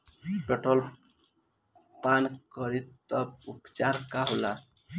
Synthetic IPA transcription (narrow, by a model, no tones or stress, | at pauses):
peʈɔl | pankʌɾit̪t̪ʌbupt͡ʃaɾkaɦola